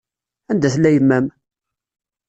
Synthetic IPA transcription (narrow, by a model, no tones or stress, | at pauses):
ænd̪æθlːæjəmːæm